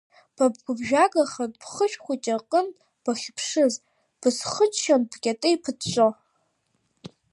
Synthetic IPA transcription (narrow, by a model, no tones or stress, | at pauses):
b̥ab̚ɡʷʊbʒᶣaɡaχab̥χəʃᶣχʷit͡ʃʼaqʼən | b̥aχʲpʰʂɨz | b̥ɨsχət͡ʃʰʃanbɡʲʼatʼɨipʰɨdt͡ʃʷʼo